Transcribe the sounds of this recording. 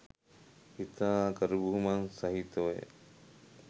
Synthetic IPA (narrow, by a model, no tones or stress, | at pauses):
it̪aːkəɾubuɦumansɐɦit̪oḛ